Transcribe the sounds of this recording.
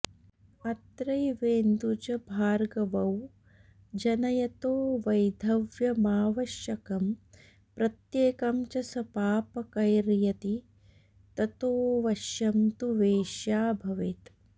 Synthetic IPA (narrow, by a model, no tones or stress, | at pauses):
ɐt̪ɾɐjʋeːnd̪ut͡ʃɐbʱaːɾɡɐʋɐw | d͡ʒɐnɐjɐt̪oːʋɐjd̪ʱɐʋjɐmaːʋɐʃjɐkɐm | pɾɐt̪jeːkɐmt͡ʃɐsɐpaːpɐkɐjɾjɐt̪i | t̪ɐt̪oːʋɐʃjɐmt̪uʋeːʃjaːbʱɐʋet̪